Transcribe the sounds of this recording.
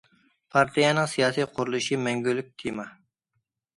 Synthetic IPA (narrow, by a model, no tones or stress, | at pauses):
pʰɑɾt̪ʰijɑnɨŋsijɑːsijqʰʊɾulˠɨʃimɛŋɡʲylːyk̚ʲt̪ʰimɑ